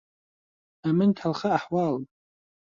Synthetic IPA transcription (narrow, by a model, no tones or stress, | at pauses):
amɨntʰalχaːħwalpʼ